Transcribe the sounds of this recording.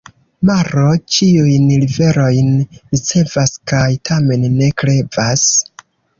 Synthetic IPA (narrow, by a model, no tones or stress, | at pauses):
maɾo̞t͡ʃiujnlive̞ɾo̞jnɾit͡se̞vaskajtʰame̞nːe̞kɾe̞vas